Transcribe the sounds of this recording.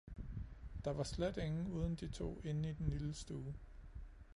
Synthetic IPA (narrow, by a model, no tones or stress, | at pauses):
d̥ɑ̈ʋɑ̈sled̥e̝ŋn̩uːð̞ˠn̩d̥it͡sʰo̝̰ːe̝nid̥enliləsd̥uː